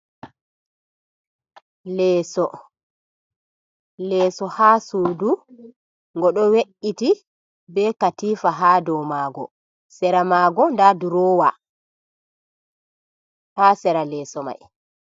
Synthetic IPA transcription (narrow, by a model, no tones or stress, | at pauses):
lɛːsɔ | lɛːsɔhaːsuːdu | ŋɡɔɗɔweʔiti | bɛkatiːfaɦadɔmaːɡɔ̰ | sɛɾamaːɡɔndaduɾɔːwa | haːsɛɾalɛːsɔma̰j